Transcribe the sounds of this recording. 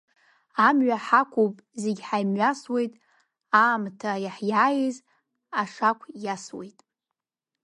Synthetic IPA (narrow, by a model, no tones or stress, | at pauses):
amɥaħakʷʰupʼzeɡʲħajmɥaswe̞jtʼ | aːmtʰajaħjajiz | aʂakʷʰjaswejtʼ